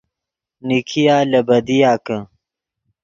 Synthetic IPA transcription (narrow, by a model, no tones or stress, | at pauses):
nikʰijaːlɐbɐd̪ijaːkə